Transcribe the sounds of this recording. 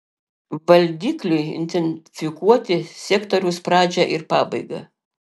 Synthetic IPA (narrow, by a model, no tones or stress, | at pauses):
ʋɐlʲd̪ʲiːklʲɛɪɪ̰nʲt̪ʲɛnʲfʲɪkuɔt̪ʲɪsʲɛːkt̪oɾʲʊspɾɑːd͡ʒʲɛʔɪɾpɑːbɐɪɡɐ̰